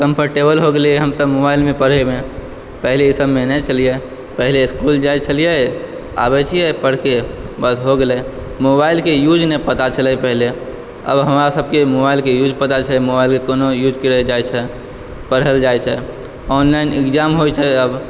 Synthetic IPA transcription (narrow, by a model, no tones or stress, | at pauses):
kə̃mpʰəɾʈebəlɦoɡeleɦəmsəbmobaɪlmẽpəɽ̤emẽ | pəɦleisəbmenɛt͡ʃʰəlije | pəɦleskuld͡ʒajt͡ʃʰəlije | a̰bɛt͡ʃʰijɛpəɽ̤kebəsɦoɡelɛ | mobailkejud͡ʒnepət̪at͡ʃʰəlɛpəɦle | ə̰bɦəmɾasəb̚kemobailkejud͡ʒpət̪at͡ʃʰəmobailkekonojud͡ʒkiɾəd͡ʒajt͡ʃʰɛ | pəɽ̤əld͡ʒajt͡ʃʰɛ | ɔːnlaɪnɪkd͡ʒamɦojt͡ʃʰɛəb